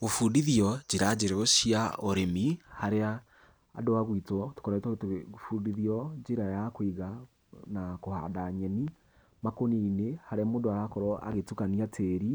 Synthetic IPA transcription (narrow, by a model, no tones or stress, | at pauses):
ofudiðiɔd͡ʑeɾad͡ʒeɾeoɕiaoɾemihaɾea̰ː | doaɣwitɔto̥kɔɾatfudiðiɔd͡ʒeɾajakoiɣa | nakoha̰daɲɛni | makoniinehaɾeamoːndoaɾakɔɾɔʔa̰ɣetukaniatʰeɾi